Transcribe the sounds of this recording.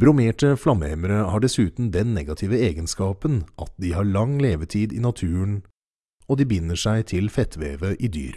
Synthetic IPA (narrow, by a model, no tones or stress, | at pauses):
bɾʊmeːʈəflɑməɛməɾəhɑːɖɛsʉːt̪n̩d̪ɛnːɛɡɑt̪ʰɪːʋəeːɡənskɑːpənʔɑt̪̚d̪ihɑːɾɭɑŋleːʋət̪ʰiːd̪ḭnɑt̪ʰʉːəɳ | ɔd̪iːbɪnːəʂæɪt̪ʰɪlfɛt̪ʰʋeːʋəʔid̪y̰ːɾ